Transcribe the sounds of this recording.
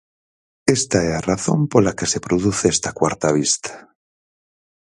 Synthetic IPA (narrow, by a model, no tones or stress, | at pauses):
est̪aearaθo̞̰mpolakesepɾoðuθeest̪akwaɾt̪aβ̞ist̪ḁ